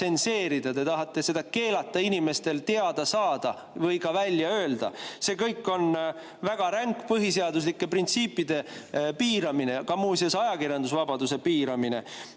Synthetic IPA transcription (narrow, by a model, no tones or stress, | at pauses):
e̞nse̞ːɾid̪̥ɑt̪e̞t̪ɑɦɑt̪ːˑe̞se̞d̪ɑke̞ːlɑt̪ːˑɑinime̞st̪e̞lt̪e̞ɑd̪̥ɑsɑːd̪̥ɑ | vɤ̞jkɑvælʲjɑø̞ːld̪̥ɑ̰se̞kɤjkːˑo̞n | væɡ̥ɑɾæŋkːpɤɦis̬eɑd̪us̬likːˑe̞print̪siːpːˑid̪̥e̞piːɾɑmine̞kɑmuːsesɑjɑkirjɑnd̪usvɑb̥ɑd̪use̞piːɾɑmine̞̰